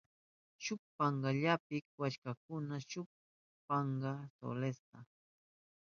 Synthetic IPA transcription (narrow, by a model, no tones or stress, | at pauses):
ʃʊk̚pɑɴɢɑʎapɪkwaʃkakʊnaʃʊk̚ | pɑɴɢɑso̰lest̪a